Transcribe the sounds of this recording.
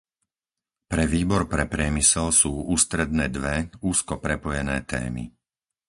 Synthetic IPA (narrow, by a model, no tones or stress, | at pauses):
pɾɛʋiːbɔɾpɾɛpɾɪɛmisɛlsuːuːst̪ɾɛd̪̚nɛːd̪ʋɛuːskɔpɾɛpɔjɛnɛːt̪ɛ̰ːmḭ